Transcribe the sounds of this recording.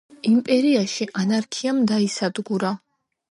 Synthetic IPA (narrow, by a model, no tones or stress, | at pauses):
impʼɛɾiaʃiʔanaɾkʰiamd̪aisad̪ɡuɾa